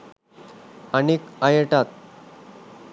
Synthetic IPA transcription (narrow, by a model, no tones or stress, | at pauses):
anikajəʈat̪̚